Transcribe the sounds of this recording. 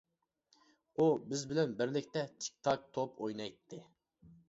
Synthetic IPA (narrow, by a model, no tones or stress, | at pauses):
ubɪzbɪlɛnbɪɾlɪk̚ʲt̪ɛt͡ʃ̪ʰi̥k̚ʲt̪ʰɑk̚t̪ʰopʰojnɑjt̪ʰːɨ